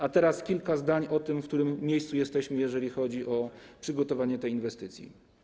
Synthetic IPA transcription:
at̪ɛɾaskʲilkazd̪aɲɔt̪ɘmfk̚t̪uɾɘmːʲjejst̪sujɛst̪ɛɕmɘjɛʐɛlʲixɔd͡ʑiʔɔpʂɘɡɔt̪ɔvaɲɛt̪ɛjinvɛst̪ɘt̪sʲjḭ

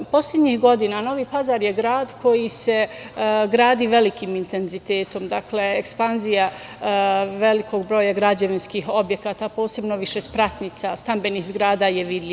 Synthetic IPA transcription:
po̞slʲʎʲe̞d̪ɲihɡo̞d̪inano̞ʋiːpazaːɾjeɡɾaːd̪kʰo̞jise̞ɡɾaːd̪iːʋe̞likimint̪e̞nzit̪e̞ːt̪o̞md̪akle̞ekspanzija | ʋe̞likʰo̞ɡbɾo̞ːjaɡɾad͡ʑeʋinskiho̞bje̞kaːt̪apo̞ːse̞bno̞ʋiʃespɾat̪nit̪sast̪ambe̞nihzɡɾaːd̪aːjeʋid̪lʲi

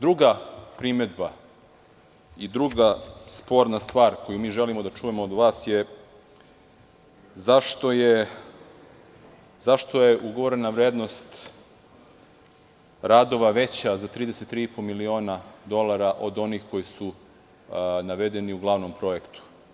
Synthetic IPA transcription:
d̪ɾuɡapɾime̞d̪ba | id̪ɾuɡaspo̞ːɾnast̪ʋaːɾko̞jumiːʒe̞limo̞d̪at͡ʃuje̞moːd̪ʋaːsje | zaʃt̪o̞je | zaʃt̪o̞je̞ʔuɡoʋoɾenaʋɾeːd̪no̞st̪ | ɾaːd̪o̞ʋaʋe̞t͡ɕazat̪ɾiːd̪e̞set̪ːɾiːipomilio̞ːnad̪o̞lˠaɾaʔo̞d̪o̞nixko̞jisu | naʋed̪e̞niuɡlˠaʋnompɾo̞je̞kt̪u̥

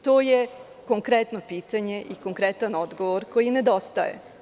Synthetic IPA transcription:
t̪o̞ːje | ko̞ŋkɾet̪nopiːt̪aɲe̞ʔiko̞ŋkɾet̪ano̞d̪ɡoʋoɾko̞jine̞d̪o̞st̪ajḛ

